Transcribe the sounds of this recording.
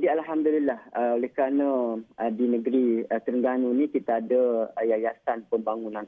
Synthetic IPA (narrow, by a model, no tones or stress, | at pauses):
dialɦamd̪ulilːahəolɛhkɾanãədinəɡɾiət̪ərŋɡanunĩkit̪aːdajajasanpəmbaŋunãn